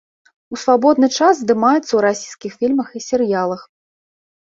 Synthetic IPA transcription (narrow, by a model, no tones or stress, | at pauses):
usvabɔd̪̚nɨt͡ʂaszd̪ɨmajɛt̪sːɐwɾasʲijskʲixfʲilʲmɐxisʲɛɾjalˠɐx